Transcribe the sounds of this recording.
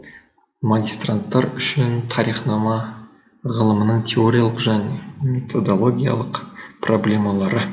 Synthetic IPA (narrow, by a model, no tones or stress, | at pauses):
maɡʲijst̪rant̪ːɑɾʏʃɪnt̪ʰɑɾiχnɑmɑ | ʁəlˠəmənəɴt̪ʰe̞o̞ɾʲijalˠəqʒæne̞me̞t̪ʰo̞d̪o̞lˠo̞ɡʲija̰lˠəqpro̞blʲe̞mɑlˠɑɾə